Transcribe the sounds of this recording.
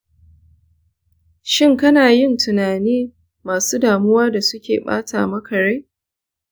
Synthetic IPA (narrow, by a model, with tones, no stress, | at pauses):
ʃɪ˦˨ŋkɐ˦naː˨jɪ˦˨ntʰʊ˨naː˨niː˦ | maː˨suː˦daː˨mʊ˦waː˦da˨sʊ˦kʲḛː˨ɓa̰ː˦ta̰ː˨mɐ˦kɐ˨ɽe˦